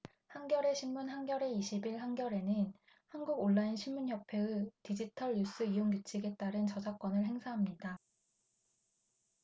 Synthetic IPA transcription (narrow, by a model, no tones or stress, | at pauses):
hanɡjʌɾe̞ɕʰinmːunɦanɡjʌɾe̞iɕʰibiɭhanɡjʌɾe̞nɯn | hanɡuɡoɭːainɕʰimmunçjʌpʰeɯtid͡ʑitʰʌɭjus͈ɯijoŋɡut͡ɕʰiɡe̞t͈aɾɯnt͡ɕʌd͡ʑak͈ʌnɯɭɦe̞ŋsʰaɦamɲida